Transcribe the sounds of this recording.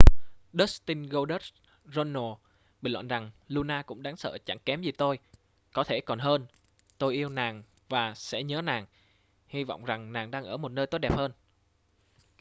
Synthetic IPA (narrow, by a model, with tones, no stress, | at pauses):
ɗə˦˥t̪i˧nɣo˧ɗə˦˥t̚ | zo˧nːo˨˩ | ɓi˨˧˩lwa̰ː˧˨nza˨˩ŋlu˧naː˧kʊ̰˧˥ŋ͡mɗaː˨˦ŋsə̰ː˧˨t͡ɕa˧˩ŋkɛ˨˦mzi˨˩t̪o˧j | kɔ˨˦t̪ʰe˧˩kɔ˨˩nɦəː˧n | t̪o˧jʔi˧əwnaː˨˩ŋ | vaː˨˩sɛ̰˧˥ɲəː˨˦naː˨˩ŋ | hi˧va̰˧˨wŋ͡mza˨˩ŋnaː˨˩ŋɗaː˧ŋʔəː˧˩mo˨˩t̚nəː˧jt̪o˦˥ɗɛ˨˩p̚həː˧n